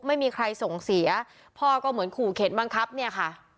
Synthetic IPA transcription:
ma˥˩jmiː˧kʰɾa˧jso˨˩ŋsi˩˦ɐ | pʰɔː˥˩kɔː˥˩mɯ˩˦ənkʰuː˨˩kʰe˩˦nba˧ŋkʰa˦˥p̚ni˥˩ɐkʰa˥˩

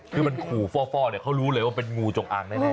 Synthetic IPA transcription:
kʰɯː˧ma˧nkʰuː˨˩fɔː˥˩fɔː˥˩ni˨˩kʰa˦˥wɾuː˦˥lɤː˧jwaː˥˩pe˧nŋuː˧t͡ɕo˨˩ŋʔa̰ː˧ŋnaː˥˩˥

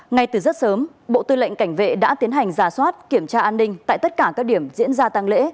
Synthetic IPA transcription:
ŋa˧jt̪ɨ˨˩zə˦˥t̚səː˨˦m | ɓo̰˧˨t̪ɨ˧lə̰˧˨jŋ̟ka˧˩jŋ̟vḛ˧˨ɗa̰ː˧˥t̪i˨˦ənɦa˨˩jŋ̟zaː˨˧˩swaː˦˥t̚ki˧˩əmt͡ɕaː˧ʔaː˧nːï˧ŋ̟t̪a̰ː˧˨jt̪ə˦˥t̚kaː˧˩kaː˦˥k̚ɗi˧˩əmzḭ˧˥ənzaː˧t̪a˧ŋlḛ˧˥

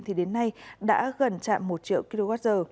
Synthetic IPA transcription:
ŋt̪ʰi˨˩ɗe˨˦nːa˧jɗa̰ː˧˥ɣə˨˩nt͡ɕa̰ː˧˨mːo˨˩t̚t͡ɕḭ˧˨əwki˧lo˧ɣaː˦˥t̚zəː˨˩

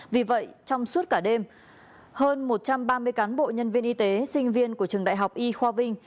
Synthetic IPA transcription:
vi˨˩və̰˧˨jt͡ɕɔ˧wŋ͡msu˦˥t̚kaː˧˩ɗe˧m | həː˧nmo˨˩t̚t͡ɕa˧mɓaː˧mɨ˧əjkaː˨˦nɓo̰˧˨ɲə˧nvi˧ənʔi˧t̪e˨˦sï˧ŋ̟vi˧ənku˧˩ət͡ɕɨ˨˩əŋɗa̰ː˧˨jɦa˨˩wk͡p̚ʔi˧xwaː˧vï˧ŋ̟

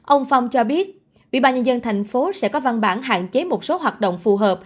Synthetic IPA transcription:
ʔə˧wŋ͡mfa˧wŋ͡mt͡ɕɔ˧ɓi˦˥ət̚ | ʔḭ˧˨ɓaː˧nɲə˧nzə˧nt̪ʰɛ˨˩jŋ̟fo˨˦sɛ̰˧˥kɔ˨˦va˧nɓaː˧˩nɦa̰ː˧˨nt͡ɕe˨˦mo˨˩t̚so˨˦ɦwaː˨˩t̚ɗo̰˧˨wŋ͡mfu˨˩ɦəː˨˩p̚

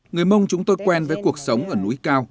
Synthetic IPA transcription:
ŋɨ˨˩əjmə˧wŋ͡mt͡ɕʊ˨˦ŋ͡mt̪o˧jkwɛ˧nvəː˨˦jku˨˩ək̚sə˨˦wŋ͡mʔəː˧˩nu˨˦jkaː˧w

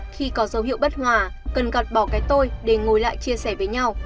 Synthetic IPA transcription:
xi˧kɔ˨˦zə˨˦whḭ˧˨ə˨wɓə˦˥t̚hwaː˨˩kə˨˩nɣə˨˩p̚ɓɔ˧˩kaː˨˦jt̪o˧jɗe˧˩ŋo˨˩jla̰ː˧˨jt͡ɕi˧əsɛ˧˩vəː˨˦jɲa˧w

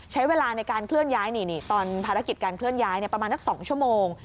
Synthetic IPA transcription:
t͡ɕʰa˦˥jweː˧laː˧na˧jkaː˧nkʰlɯ˥˩ənjaː˦˥jniː˧˩niː˧˥˩t̪ɔː˧npʰaː˧ɾa˦˥ki˨˩t̪̚kaː˧nkʰlɯ˥˩ənjaː˦˥jni˥˩ɐpɾa˧maː˧sa˥˩ksɔː˩˦ŋt͡ɕʰu˥˩əmoː˧ŋ

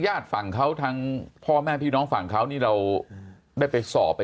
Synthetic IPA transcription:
jaː˥˩t̪̚fa˨˩ŋkʰa˦˥wt̪ʰaː˦˥ŋpʰɔː˥˩mɛː˥˩pʰiː˥˩nɔː˦˥ŋfa˨˩ŋkʰa˦˥wniː˥˩ɾa˧w | daː˥˩jpa˧jsɔ̰ː˨˩pː

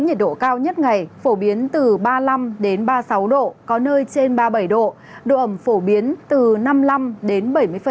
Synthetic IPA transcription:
ɲə˨˩t̚ɗo̰˧˨kaː˧wɲə˦˥t̚ŋa˨˩jfo˧˩ɓi˨˦ənt̪ɨ˨˩ɓaː˧la˧mɗe˨˦nɓaː˧sa˨˦wɗo̰˧˨kɔ˨˦nəː˧jt͡ɕe˧nɓaː˧ɓə˧˩jɗo̰˧˨ | ɗo̰˧˨ʔə˧˩mfo˧˩ɓi˨˦ənt̪ɨ˨˩na˧mla˧mɗe˨˦nɓə˧˩jmɨ˧əjfə˧˨

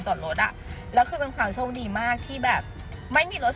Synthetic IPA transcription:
nt͡ɕɔː˨˩ɾo˦˥t̪̚ʔa̰˨˩lɛː˦˥wkʰɯː˧pe˧nkʰwaː˧mso˧˥˧wniː˧maː˥˩k̚t̪ʰiː˥˩bɛː˨˩p̚ | ma˥˩jmiː˧lo˦˥t̪̚

